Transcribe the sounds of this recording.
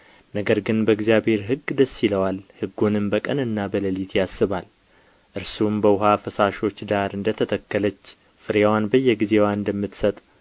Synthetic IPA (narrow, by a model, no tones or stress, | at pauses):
nəɡəɾɡɨnbəɨɡzjabhe̞ɾɦɨɡːd̪əsːiləwalhɨɡːunɨmbəkʼənɨnːabələlit̪ʰjasːɨβal | ʔɨɾsumbəwʊɦafəsaʃo̞t͡ʃːd̪aɾɨnd̪ət̪ʰət̪ʰəkːələt͡ʃː | fɨɾewanbəjːɛɡize̞waɨnd̪əmːɨt̪sət̪ʼ